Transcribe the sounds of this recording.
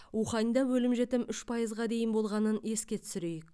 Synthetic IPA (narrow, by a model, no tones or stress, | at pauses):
uχɑnijd̪ɑwɵlɪmʒe̞t̪ɪmʏʃpʰɑjəzʁɑd̪e̞jɪnbo̞lˠʁɑnəne̞skʲe̞t̪ʰʏ̥sʏɾejɪk